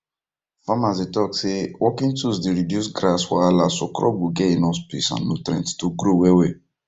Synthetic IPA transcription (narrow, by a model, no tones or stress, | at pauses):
famasetɔksewʔɔkĩntusdeɾidjusɡɾaswalasɔ̰kɾɔ̰buɡɛenɔspḭsã̰nːotɾɛ̰̃nttoɡɾowewe